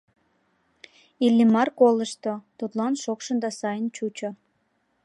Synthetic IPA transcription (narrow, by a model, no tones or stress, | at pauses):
ilːimɑrkoləʃt̪ot̪ut̪lɑnʃokʃə̆nd̪ɑsɑjənt͡ɕut͡ɕo